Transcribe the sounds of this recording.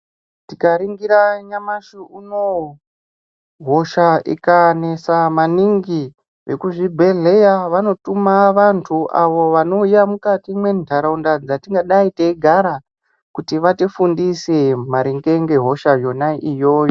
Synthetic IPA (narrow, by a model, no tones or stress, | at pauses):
tikaɾiŋɡiɾaɲamaʂiuno̞ | ɦo̞ʃaḭkane̞samaniŋɡi | ʋe̞kuʐibʱe̞ɮe̞jaʋano̞tumaʋantʰuʔa̰ʋo̞ʋano̞ujamukatimwe̞ndʱaɾaundad͡zatiŋɡaɗaiteɡʱaɾa | kutiʋatifundise̞maɾiŋɡe̞ŋɡe̞ɦo̞ʃajo̞naʔijo̞ːjo